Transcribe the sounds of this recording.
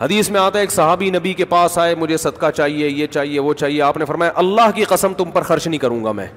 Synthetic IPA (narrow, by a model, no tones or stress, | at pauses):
hɐd̪iːsmẽaːt̪aɦeeːksɐɦaːbinɐbikepaːsaːemʊd͡ʒʱesɐd̪kat͡ʃaːɦiejet͡ʃaːɦieʋot͡ʃaːɦieaːpnefɐɾmaːjaʔɐlːaːɦkiqɐsəmt̪ʊmpɐɾxɐɾʃnĩkɐɾũːŋɡa̰mɛ̰̃ː